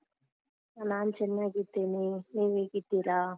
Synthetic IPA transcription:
ɐnaːnt͡ʃɛnːaɡit̪ːeːniniːʋeɡit̪ːiɾaː

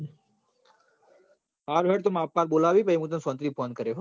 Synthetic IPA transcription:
aːɾʋeɽt̪omaːpːaːɾboːlaːʋiːpəimũt̪əmsɔːnt̪ɾiːpʰoːnkəɾeɦo

